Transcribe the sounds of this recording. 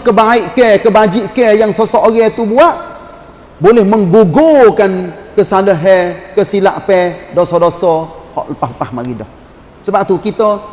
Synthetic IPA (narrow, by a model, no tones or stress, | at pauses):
kəbaiʔkekəbad͡ʒiʔkəjaŋsosoʔɡɛt̪ubuaʔ | bolɛhməŋɡuɡokankəsaləɦɛkəsila̰ʔpɛdosɔdosɔhɔ̰ʔləpahləpahmaɡidɔh | səbap̚t̪ukit̪ə